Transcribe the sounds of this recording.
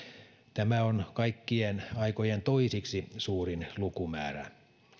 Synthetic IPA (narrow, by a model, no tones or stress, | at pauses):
t̪æmæonkɑikːienɑikojent̪oisiksisuːrinlukumæ̰ːɾæ̰